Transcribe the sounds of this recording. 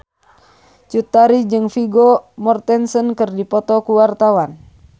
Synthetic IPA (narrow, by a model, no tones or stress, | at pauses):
t͡ʃut̪aɾid͡ʒɨŋfiɡɔmɔrt̪ɛnsənkɨrdipɔt̪ɔkuwart̪awan